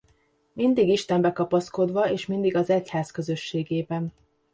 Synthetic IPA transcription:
mind̪iɡiʃt̪ɛmbɛkɒpɒsko̞d̪ʋɒeːʃmind̪iɡɒzɛchaːzkø̞zø̞ʃːeːɡeːbɛn

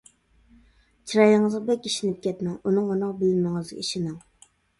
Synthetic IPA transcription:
t͡ʃʰiɾɑjɪŋɨzʁɑbɛkʲiʃinɪp̚kʲʰɛt̪mɛŋunɨŋonɑqbɪlmɨŋɨz̰ḭʃɪnɨŋ

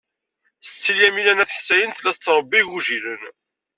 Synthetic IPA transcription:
θə̥t͡sːiljæmilænæθħsæjənθlæθət͡sːɾˤəbːiʝuʒiɾən

